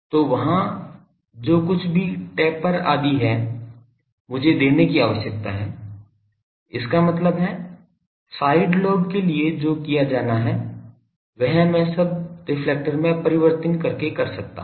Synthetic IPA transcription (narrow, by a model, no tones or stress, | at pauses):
t̪oːʋɐɦã | d͡ʒoːkʊt͡ʃʰbʱiʈɛːpːəɾa̰ːd̪iɦɛː | mʊd͡ʒʱed̪eːnekiaːʋəʃjək̚t̪aɦɛː | ɪskamɐt̪ləbɦɛ | saːɪɖloːɖkelied͡ʒoːkijad͡ʒaːnaɦɛː | ʋɛɦmɛ̃sɐb̚ʈɪflɛːk̚ʈəɾmẽpɐɾɪʋəɾt̪ənkɐɾkekɐɾsɐk̚t̪a̰ː